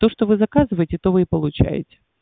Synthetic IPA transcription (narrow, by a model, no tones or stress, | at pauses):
t̪o̞ʂt̪ovɨzɐkazɨvəjɪtʲɪt̪o̞vɨɪpəlˠʊt͡ɕæ̰jɪ̰tʲɪ̥